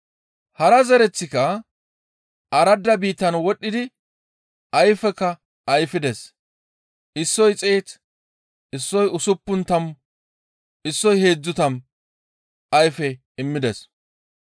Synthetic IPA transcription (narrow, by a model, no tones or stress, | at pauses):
hɐɾɐzɛɾɛt͡sːɪkɐ | ʔɐɾɐd̪ːɐbiːt̪ːɐnwɔɗːɪd̪ɪ | ɐjfɛkːɐ | ʔɐjfɪd̪ɛs | ʔɪsːɔjt͡sʼeːt̪ | ɪsːɔjʊsʊpːʊnt̪ɐm | ɪsːɔjhe̞ːd͡zːʊt̪ɐm | ɐjfɛ | ɪmːɪd̪ɛs